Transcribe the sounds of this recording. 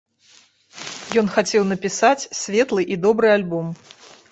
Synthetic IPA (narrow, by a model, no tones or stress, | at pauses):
jɔnxat͡sʲɛwnɐpʲisat͡sʲsʲvʲɛt̪lˠɨʔid̪ɔbɾɨalʲbɔm